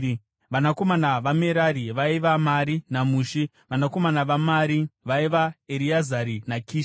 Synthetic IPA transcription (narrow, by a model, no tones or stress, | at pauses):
ʋanako̞manaʋameɾaɾiʋaiʋamaɾinamuːʃi | ʋanako̞manaʋamaːɾiʋaiʋaeɾiazaɾinakʰiːʃ